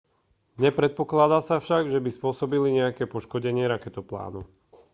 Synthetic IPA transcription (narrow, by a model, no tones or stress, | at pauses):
ɲɛpɾɛt̪̚pɔklad̪aːsafʃaɡʒɛbispʊɔsɔbiliɲɛakɛːpɔʃkɔɟɛɲɪɛɾakɛt̪ɔpla̰ːnu